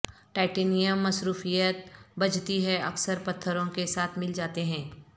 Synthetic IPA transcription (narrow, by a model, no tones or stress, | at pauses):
ʈaːɪʈeːnijəmːɐsɾuːfijət̪̚bɐd͡ʒt̪iɦɛɐksəɾpɐt̪ʰːəɾõkesaːt̪ʰmɪld͡ʒaːt̪eɦɛ̃ː